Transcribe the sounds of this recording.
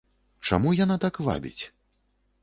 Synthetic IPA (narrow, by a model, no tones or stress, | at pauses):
t͡ʂa̰mujanat̪akva̰bʲḭt͡sʲ